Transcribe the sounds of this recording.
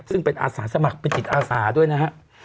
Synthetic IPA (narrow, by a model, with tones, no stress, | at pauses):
sɯ˥˩ŋpe˧nʔa̰ː˧saː˩˦sa˧ma˨˩k̚pe˧nt͡ɕi˨˩t̪̚ʔaː˧saː˩˦du˥˩əjna˦˥kʰa˦˥ʔ